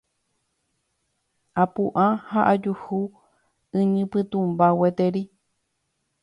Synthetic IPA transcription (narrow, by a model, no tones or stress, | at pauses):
apuʔahaʔad͡ʒuhu | ɨ̃ɲɨ̃pɨt̪ũmbawet̪eɾi